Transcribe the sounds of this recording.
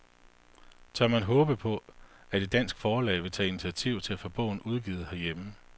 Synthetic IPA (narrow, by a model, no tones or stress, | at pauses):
t͡sʰɒmænɦɔ̽ːb̥əpʰɒ̽æd̥e̝d̥æn̰sɡ̥fɒːlɛ̰ɪʋe̝t͡sʰɛ̰ːi̝nit͡sʰiæt͡sʰiʊ̰t͡sʰe̝læfɒ̽b̥ɔ̰̽ːn̩uð̞ˠɡ̥ḭːð̞̩ˠhæɐjemə